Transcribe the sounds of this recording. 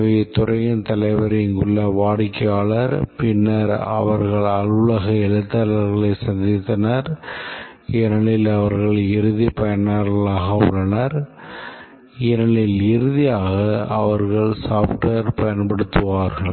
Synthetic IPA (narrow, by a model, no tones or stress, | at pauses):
ʋet̪ʊrɐjɐnt̪ɐlɐɪʋɐɾɪŋɡɯɭːɐʋaːɽɪkːɐjaːɭɐɾpɪnːɐɾɐ̰ʋɐɾɣɐɭɐlʊɭɐɣɐɛɻɯt̪ːalɐɾɣɐɭɐɪsɐnd̪ɪt̪ːɐnɐɾ | ɛnɐɭɪlɐʋɐɾɣɐɭɪɾɯðipɐjɐnaɾɣɐɭaːɣɐʊ̰ɭːɐnɐɾ | ɛnɐɭɪlɪɾɯðɪjaːɣɐɐʋɐɾɣɐɭsaːfʈɐɾpɐjɐnpɐɽɯt̪ːɯʋaːɾɣɐɭ